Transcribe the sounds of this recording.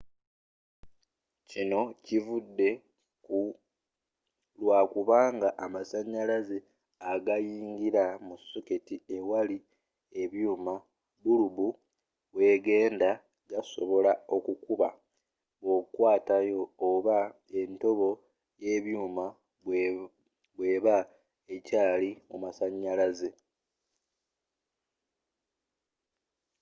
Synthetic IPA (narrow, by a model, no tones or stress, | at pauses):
cino̞civudːe̞ | ku | lwaːkuβaːŋɡaʔːmasaɲːalaze | aɡajiːŋɡiɾamusːuketie̞wali | e̞βjuːma | βuluβu | βwe̞ːɡe̞ːnda | ɡaso̞̰βo̞lao̞kukuβa | βo̞kwaːtajo̞ːβa | e̞nto̞βo̞ | je̞ːβjuːma | βwe̞ːβa | ecaːlimomasaɲːalaze̞